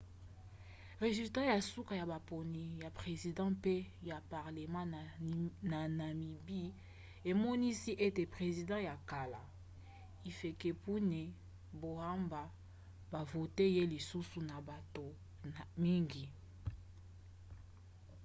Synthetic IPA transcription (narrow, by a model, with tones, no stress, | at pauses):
ʁe˨zy˨lta˦ja˨su˦ka˨ja˨ba˨po˨ni˨ja˨pʁe˨zi˨dɑ̃˦pe˦ja˨pa˨ʁle˨mɑ̃˦˨na˨na˨mi˨bi˦ | e˨mɔ˦ni˦si˦ʔe˦te˨pʁe˨zi˨dɑ̃˦ja˨ka˨la˨ | i˨fe˨ke˨pu˦nɛ˨ | bo˨a˦mba˨ | ba˨vo˨te˦je˦li˨su˦su˨na˨ba˨to˨ | mi˦ŋɡi˨